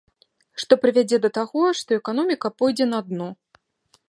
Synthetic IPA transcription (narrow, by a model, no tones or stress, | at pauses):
ʂt̪ɔpɾɨvʲad͡zʲɛd̪ɐt̪aɣɔʂt̪ɔɛkan̪ɔmʲikɐpɔjd͡zʲɛnɐad̪nɔ